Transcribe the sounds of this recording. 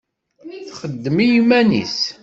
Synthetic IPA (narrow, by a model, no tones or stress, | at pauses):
θχəd̪ːəmijimænḭs